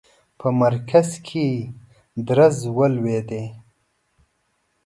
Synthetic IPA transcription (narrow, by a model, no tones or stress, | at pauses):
pʰəmɐɾkʰazkʰe | d̪ɾazwəlwed̪e